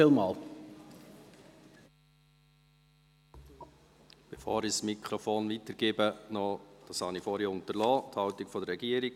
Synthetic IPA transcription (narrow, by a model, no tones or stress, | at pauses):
iːlmɑːl | b̥efo̰ːɾismikχɾɔfoːnʋitəɾɡ̥ɪːbənɔd̥ɑshɑnifoːɾiʊntəlɑːthɑwtɪɡfɔd̪əɾɛɡiːəɾiɡ̥